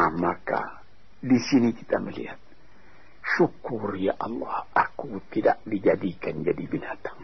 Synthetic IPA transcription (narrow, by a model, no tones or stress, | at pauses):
maka̰ | disiniki̥t̪aməlḭha̰t̪̚ | ʃukurjaʔɑlːɑhʔakut̪idaʔdid͡ʒadikand͡ʒadibinat̪ḁŋ